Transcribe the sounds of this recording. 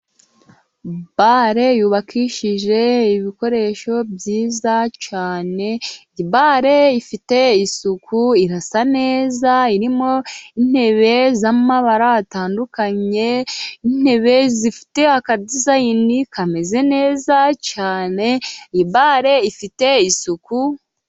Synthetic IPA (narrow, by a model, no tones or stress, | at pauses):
baɾe̞juːβakʰiʃiʒe̞iβiko̞ɾe̞ʃo̞bjiːzat͡ʃaːne̞iβaɾe̞ifite̞isukuiɾasane̞ːzaiɾimo̞in̥he̞βe̞zamaβaɾaːtaːndukaɲe̞in̥e̞βe̞zifi̥te̞akadizainikʰame̞ze̞ne̞ːzat͡ʃaːne̞iβaːɾe̞ifite̞isuku